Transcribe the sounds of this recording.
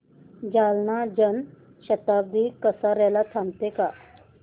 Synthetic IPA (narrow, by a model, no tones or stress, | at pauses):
d͡ʑalnad͡ʑən | ɕət̪ab̚d̪ʱikəsaɾɛlat̪ʰãmt̪eka